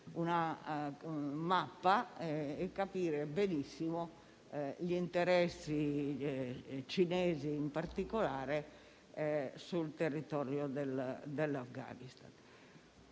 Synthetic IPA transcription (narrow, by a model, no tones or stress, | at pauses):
una | mapːaɛɛkːapiːɾebenisːimɔ | ʎint̪ɛɾɛsːi | t͡ʃinɛːziːmpaɾt̪ikɔlaːɾe | sult̪erːit̪ɔːɾjɔd̪ɛld̪ɛlːafɡa̰ːnist̪a̰n